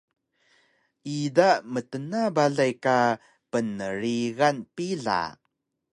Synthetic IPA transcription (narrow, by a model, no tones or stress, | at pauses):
idamətənabaɮajka | pənəɾiɣanpiɮa̰